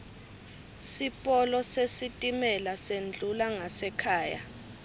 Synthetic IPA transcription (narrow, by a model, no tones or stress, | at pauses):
sipʼɔlɔsesitʼimɛlasend͡ɮʱulaŋasɛkʰaːja̰